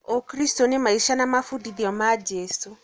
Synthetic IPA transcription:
okɾistonemaiʃanamafudiðiɔmad͡ʒesu

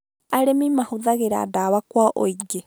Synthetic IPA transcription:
aɾemimahuðaɣeɾa̰ːdaːβakwaʔoiɡe

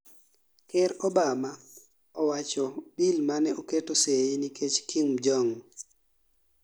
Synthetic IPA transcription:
kɛɾɔbama | ɔwat͡ʃɔbilmanɛʔoketoseinikʰet͡ʃkʰimd͡ʒɔŋ

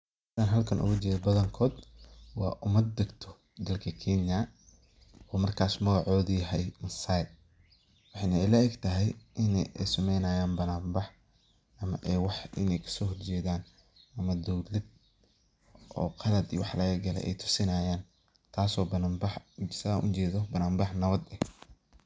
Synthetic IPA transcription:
d̪aːnɦɐlkʰɐnʔʊ̰ɣʊt͡ʃɛːðɐbɐðɐŋkʰɔːd̪wɑ̰ːʔʊmɐd̪̚ːɐɡt̪ʰɔ | d̪ɐlkʰɐkʰɛnjɐ | ɔːmɐrkʰaːsmɐɣɑʕɔːðiɦɛjmɐsajd̪̚ | wħɑjnɐɛlɐɛɡt̪ʰɐɦɛjʔɪnɛ̰jɛ̰jsɐmɛjnaːjaːnbɐnaːmbɑħ | ɐmɐ̰ʔɛwɑħʔɪ̰nɛjkʰɐ̥sɔːhɔrt͡ʃɛːðaːn | ɐmɐd̪ɔwlɪd̪̚ | ʔɔ̰ːqʰɑlɐd̪ḭwɑħlɐɣɐɡɐlɛ̰ʔɛ̰jt̪ʰʊ̥sɪnaːjaːn | t̪ʰaːsɔːbɐnaːmbɑħsaʔʊ̰t͡ʃɛːðɔbɐnaːmbɑħnɐβɐd̪ɛ

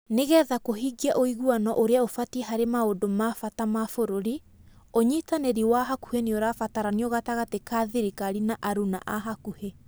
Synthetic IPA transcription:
neɣɛːðakoɦiɡiaʔoiɣuanɔʔoɾeaofatiɛɦaɾemaodomafatamafoɾoɾi | oɲitaneɾiwaɦaku̥henioɾafataɾaniɔɣataɣatekaːðiɾikaɾinaʔaɾuna̰ʔaɦakuhe

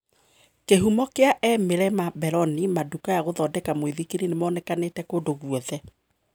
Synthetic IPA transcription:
keɦumɔkeaʔɛmeɾɛmabɛɾɔnimadukajaɣoðɔdɛkamweðikeninemɔːnɛkanetɛkodoɣwɔðɛ

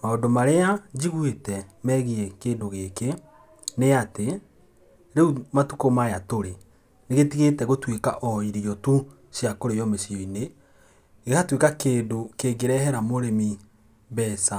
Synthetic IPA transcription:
maondomaɾead͡ʒiɣwetɛmɛːɣiɛkeːndoɣeke | neate | ɾeumatukomajatoɾe | neɣetiɣetɛɣotweka̰ʔɔiɾijɔtu | sjakoɾejɔmesiɔine | ɣehatwekakeːndokeːɡeɾɛhɛɾamoɾemi | βɛːsa

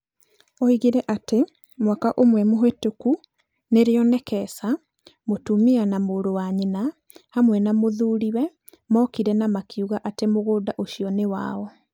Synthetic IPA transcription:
ɔiɣiɾɛʔate | mwakaʔomwɛmoɦwetoku | neɾeɔnɛkɛsa | motumianamoːɾowaɲena | hamwɛnamoðuːɾiwɛ | mɔkiɾɛnamakiuɣaʔatemoɣoːdaʔoɕiɔnewa̰ɔ

